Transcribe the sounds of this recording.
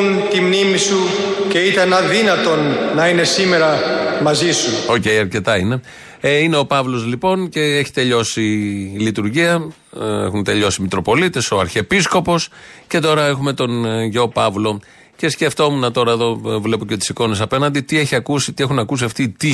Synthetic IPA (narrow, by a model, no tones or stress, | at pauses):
n | t̪imnimisuce̞it̪ɐnɐðinɐt̪o̞nːɐine̞sime̞ɾɐmɐzisuo̞ce̞jɐɾce̞t̪ɐine̞ | eine̞o̞pɐvlo̞zlipo̞nce̞eçi̥t̪e̞ʎo̞silit̪uɾʝiɐ | ḛxunt̪e̞ʎo̞simit̪ɾo̞po̞lit̪e̞so̞ɐɾçepisko̞po̞sce̞t̪o̞ɾɐe̞xume̞t̪o̞nʝopɐvlo̞ | ce̞sce̞ft̪o̞munɐt̪o̞ɾɐeðo̞vle̞poce̞t̪i̥siko̞ne̞s̬ɐpe̞nɐnd̪it̪ie̞çiɐkusit̪ie̞xunɐkus̬iɐft̪it̪i